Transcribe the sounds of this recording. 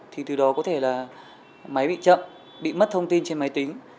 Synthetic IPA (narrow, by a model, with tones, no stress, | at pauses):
t̪ʰi˨˩t̪ɨ˨˩ɗɔ˨˦kɔ˨˦t̪ʰe˧˩laː˨˩ | ma˨˦jɓḭ˧˨t͡ɕə̰˧˨m | ɓḭ˧˨mə˦˥t̚t̪ʰə˧wŋ͡mt̪i˧nt͡ɕe˧nma˨˦jt̪ï˨˦ŋ̟